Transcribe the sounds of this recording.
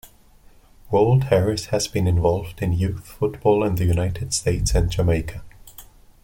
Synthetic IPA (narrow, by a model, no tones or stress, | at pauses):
wɜ˞lˠdhɛɹɪshɨzbɨ̃nɨ̃ɱvɔlˠvdɨ̃njʉθfʊtb̥ɔːlˠə̃nðɨjʉnaɪtʰɨd̥steɪtsɨ̃nd͡ʒəmeɪkʰə